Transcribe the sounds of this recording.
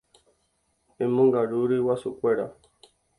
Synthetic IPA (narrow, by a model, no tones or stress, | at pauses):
ẽmõŋɡaɾuɾɨwasukʷeɾa